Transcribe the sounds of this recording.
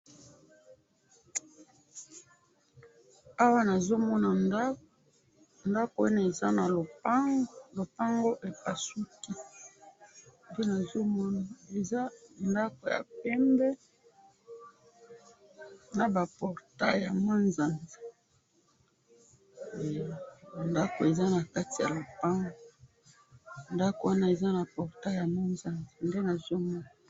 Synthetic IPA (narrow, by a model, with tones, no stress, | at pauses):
a˦wa˦na˨zo˦mɔ˦na˨˦ | nda˦ko˨e˦na˨e˨za˦na˨lo˨˦ | lo˨pa˦ŋɡo˦ʔe˨pa˨su˦ki˦ | nde˦na˨zo˦mɔ˦na˨e˨za˦nda˦ko˨ja̰˨pɛ˦mbɛ˦ | na˨ba˨pɔ˨ʁta˦ja˨mo˦nza˨nzi˨ | nda˦ko˨e˨za˦na˨ka˦ti˨ja̰˨lo˨pa˦ŋɡo˦ | nda˦ko˨wa˦na˦e˨za˦na˨pɔ˨ʁta˦ja˨mo˦nza˨nzi˨nde˦na˨zo˦mɔ˦na˨